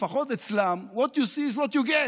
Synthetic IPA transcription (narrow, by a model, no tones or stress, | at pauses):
faχot̪et͡slamwɔt̪jusiːzwɔt̪juɡɛ